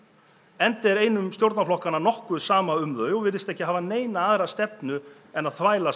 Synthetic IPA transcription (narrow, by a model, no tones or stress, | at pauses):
ɛnt̪ɛɾeːjnʏmst̪jowɾt̪naflɔhkanːanɔhkʏsaːmaʏmðœɥjɔɣvɪðɾɪst̪ɛhcɪaɦaːvaneːjnaaðɾast̪ɛpnʏ | ɛnːaðθvaːjla